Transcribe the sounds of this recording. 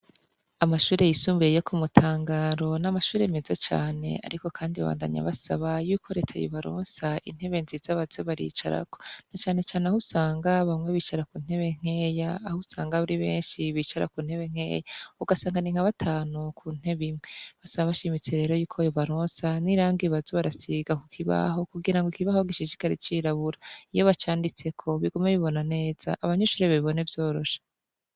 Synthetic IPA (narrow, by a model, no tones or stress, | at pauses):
amaʃuːɾe̞jisuːmbeejokʰumutʰaːŋɡaɾo̞namaʃuːɾeme̞zat͡ʃa̰ːne̞̰a̰ɾiko̞kʰaːndiβa̰βa̰ːnda̰ɲa̰βasaβajuːkʰo̞ɾe̞tʰajo̰βaɾo̰ːnsaḭn̥he̞βenziːzaβazeβaɾḭːt͡ʃa̰ɾa̰ko̞nat͡ʃaːne̞t͡ʃaːneahusaːŋɡaβamŋe̞βiːt͡ʃaɾakuːn̥he̞βe̞ŋ̥e̞ːjaːhusaːŋɡaβuɾiβe̞̰ːnʃiβiːt͡ʃaɾa̰kuːn̥he̞βe̞ŋ̥e̞̰ːjauɡasaːŋɡaniŋ̥haβatʰaːnukʰuːn̥e̞βimŋeβasaaβaʃimit͡se̞ɾe̞ːɾo̞juːkʰojoβaɾo̞ːnsaniɾaːŋɡiβazuβaɾasiɡakukʰiβa̰ɦo̞kuɡiɾaŋɡoikiβahoɡiʃiʃi̥kaɾit͡ʃiːɾaβuɾaijo̞βat͡ʃaːndit͡se̞kʰo̞βiɡumeβiβo̞nane̞ːz̥a̰ʔːβaɲuʃuɾeβaβiβo̞nevjo̞ːɾo̞ʃḁ